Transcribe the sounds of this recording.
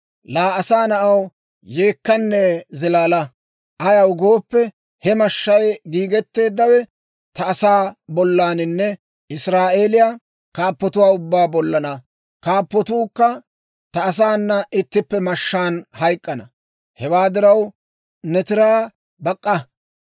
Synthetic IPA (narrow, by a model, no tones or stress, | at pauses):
laːɐsaːnɐʔɐw | jeːkːɐnːɛzɪlaːlɐ | ʔɐjɐwɡo̞ːpːɛ | hɛmɐʃːɐjɡiːɡɛt̪ːe̞ːd̪ːɐwɛ | t̪ɐːsaːbɔlːaːnɪnːɛ | ɪsɾaːʔe̞ːlɪjaː | kaːpːɔt̪ʊwaːʊbːaːbɔlːɐnɐ | kaːpːɔt̪uːkːɐ | t̪ɐːs̬aːnːɐʔɪt̪ːɪpːɛmɐʃːaːnhɐjkʼːɐnɐ̰ | hɛwaːd̪ɪɾɐw | nɛt̪ɪɾaː | bɐkʼːɐ